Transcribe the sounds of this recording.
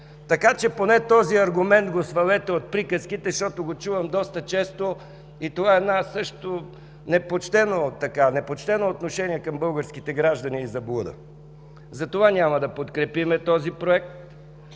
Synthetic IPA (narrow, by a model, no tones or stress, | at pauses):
t̪ɐkat͡ʃɛponɛt̪ɔziɐɾɡʊmɛnd̪ɡosvɐlɛt̪ɛot̪̚pɾikəskit̪ɛʃt̪ɔt̪oɡot͡ʃuvəmd̪ɔst̪ət͡ʃɛst̪o | it̪ovaɛd̪nasɤʃt̪o | nɛpot͡ʃt̪ɛnot̪ɐkanɛpot͡ʃt̪ɛnoːt̪noʃɛniɛkɐmbɤlˠɡəɾsk̟it̪ɛɡɾaʒd̪ɐniːzɐblˠud̪ə̰ | zɐt̪ovanʲamɐd̪ɐpot̪kɾɛpimɛt̪ɔzipɾoɛk̚t̪